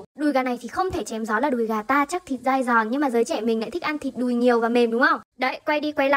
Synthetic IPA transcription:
ɗu˨˩jɣaː˨˩na˨˩jt̪ʰi˨˩xə˧wŋ͡mt̪ʰe˧˩t͡ɕɛ˨˦mzɔ˨˦laː˨˩ɗu˨˩jɣaː˨˩t̪aː˧t͡ɕa˦˥k̪̚ʰi˨˩t̚zaː˧jzɔ˨˩nɲɨ˧ŋmaː˨˩zəː˨˦jt͡ɕɛ̰˧˩mï˨˩ŋ̟a̰ː˧˥t̪ï˦˥k̚ʔa˧nt̪ʰi˨˩t̚ɗu˨˩jɲi˨˩əwvaː˨˩me˨˩mɗʊ˨˦ŋ͡mʔə˧wŋ͡mɗə˧˦˨jkwa˧jɗi˧kwa˧˦jla̰˧˦

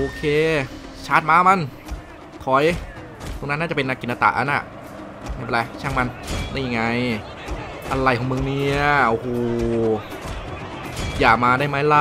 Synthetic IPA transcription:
ʔoː˧kʰeː˧ | t͡ɕʰaː˦˥˩t̪̚maː˧˥˧ma˧˥˨n | kʰɔ˨˩j | t̪o˧ŋn˦˥nːaː˥˩t͡ɕpe˧nːa˧˩kːi˧˨nːʔa˧t̪a̰ː˨˧˩ʔa̰˧˦nʔa̰˧˩ | ma˥˩be˧˩la˧jt͡ɕʰaː˧˥˩ŋma˧ndaː˦˥˩ja˧ŋa˧j | ʔa˧la˧˩jkʰɔ˨˧˦mɯ˧ŋni˦˥˩ɐo˧hoː˧˩˧ | jaː˨˩k̚maː˧daː˥˩jma˦˥˩la˧˥

